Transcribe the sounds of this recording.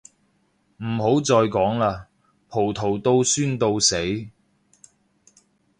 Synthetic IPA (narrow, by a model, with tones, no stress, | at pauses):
m̩˨˩ɦo˨˥wt͡sɔː˧jkɔː˨˥ŋlaː˧ | pʰo˨˩wt̪ʰo˨˩wt̪o˧wsyː˥nt̪o˧wse˨˥j